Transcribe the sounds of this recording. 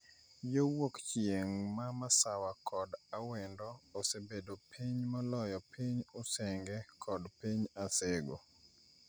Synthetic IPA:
jowokt͡ʃjeŋmamasawakʰɔdawɛndɔːsebedopʰiɲmalɔjɔpiɲosɛŋɡɛkʰɔdpiɲaseɡo̰

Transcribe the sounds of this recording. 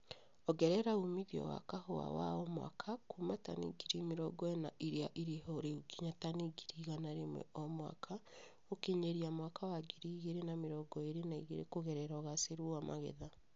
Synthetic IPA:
ɔɣɛɾɛɾaumiðjɔ̰wa̰kahoa̰wa̰ɔmwa̰kʰakumatanḭɡiɾimiɾɔɡɔena̰ʔiɾeaʔiɾehoɾeuɡiɲataniɡiɾiɣanaɾemwɛ̰ʔɔmwa̰kʰa | okeɲeɾiamwakawaɡiɾiɣeɾenameɾɔɡɔeɾenaiɣḛɾḛkoɣɛɾɛɾaɣaseɾuamʔa̰ɣḛða

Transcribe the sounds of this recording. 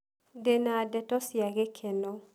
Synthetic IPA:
denadɛtɔsjaɡekʰeno

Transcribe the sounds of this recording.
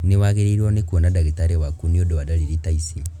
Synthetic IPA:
newaɣeɾeɾwonekuonadaɣetaɾewakuniodoβadaliɾitaisi

